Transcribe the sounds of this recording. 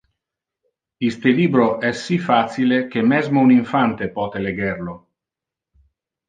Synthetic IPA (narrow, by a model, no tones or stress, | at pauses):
ist̪eliːbɾoʔɛsːifat̪silekemːɛzmouniɱfant̪epɔːt̪eleɡɛrlo